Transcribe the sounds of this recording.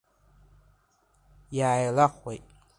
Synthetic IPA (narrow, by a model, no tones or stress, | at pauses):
jaːjlaχʷwejtʼ